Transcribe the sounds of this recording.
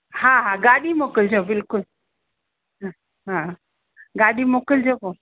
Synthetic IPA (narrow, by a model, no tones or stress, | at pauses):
haɦaɡaɗimoːkəld͡ʑobɪlkʊl | ɦa | ɦã | ɡaɽimoːkəld͡ʑoko